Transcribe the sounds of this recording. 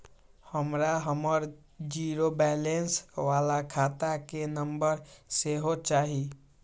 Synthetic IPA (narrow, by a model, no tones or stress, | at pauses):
həmɾaɦəməɾ | d͡ʒiɾobɛːlensʋaːlakʰaːt̪akenəmbəɾseɦot͡ʃaːɦi